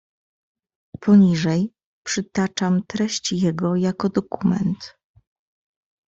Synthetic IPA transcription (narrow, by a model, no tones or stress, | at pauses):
pʰɔɲiʐɛj | pʂɘt̪at͡ʂamt̪ɾɛɕt͡ɕjɛɡɔjakɔd̪ɔkumɛ̰nt̪